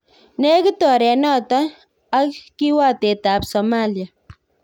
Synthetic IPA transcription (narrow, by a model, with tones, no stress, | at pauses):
ne˦kə˦t̪o˨ɾe˨nɔ˦t̪aː | kkiwa˦t̪e˨t̪a˨psomalja